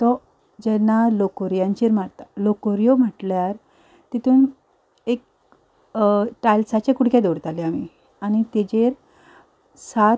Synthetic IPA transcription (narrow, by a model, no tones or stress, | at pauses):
t̪ɔ | d͡ʑɛnːalokoɾjãɲt͡ɕiɾm̤at̪alokoɾijom̤əʈljaɾ | t̪it̪uːn | ek̚ | ʈajlsat͡ɕekuɽkjẽd̪oɽt̪aleami | añit̪ed͡ʑeɾ | sat̪